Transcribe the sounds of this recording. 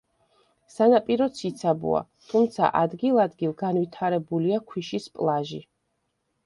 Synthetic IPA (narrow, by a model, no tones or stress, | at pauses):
sanapʼiɾɔsʰit̪sʰabṵa̰t̪ʰumt̪sʰa̰ʔad̪ɡilˠad̪ɡilˠɡanwit̪ʰaɾɛbuliakʰwiʃispʼlˠaʒi